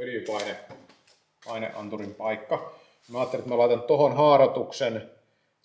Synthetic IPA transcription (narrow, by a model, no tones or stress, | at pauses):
ylipɑine | pɑinḛʔʔɑ̰nt̪urimpɑikːɑ | mæɑːt̪ːeliet̪mælɑit̪ɑnt̪ohonhɑːrɑt̪uksen